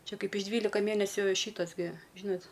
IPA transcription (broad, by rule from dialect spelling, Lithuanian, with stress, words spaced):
ˈt͡ʃʲɛ ˈkɐɪp ɪʃ ˈdʲʋʲiːlʲɪkɐ ˈmʲeːnʲɛsʲʊ ˈʃʲiːtɐs ɡʲɪ ˈʒʲiːnɐt